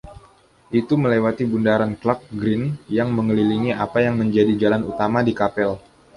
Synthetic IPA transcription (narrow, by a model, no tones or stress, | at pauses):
ʔit̪uməlewat̪ibundaɾanklak̚ɡɾɪnjaŋməŋəliliŋiʔapajaŋməɲd͡ʒadid͡ʒalanut̪amadikapɛl